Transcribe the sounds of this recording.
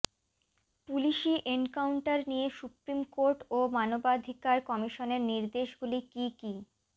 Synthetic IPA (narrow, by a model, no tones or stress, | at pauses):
puliʃiʔenkawɳʈaɾniesupɾimkoɾʈomanobad̪ʱikaɾkɔmiʃoneɾniɾd̪eʃɡulikiki